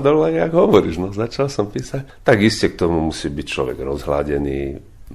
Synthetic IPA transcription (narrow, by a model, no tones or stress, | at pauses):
d̪ɔlʋajaɡɦɔʋɔɾiːʒnɔzat͡ʃalsɔmpiːsact̪aɡiscɛk̚t̪ɔmumusiːbict͡ʃlɔ̰ʋɛ̰ɡɾɔzɦla̰ɟɛniː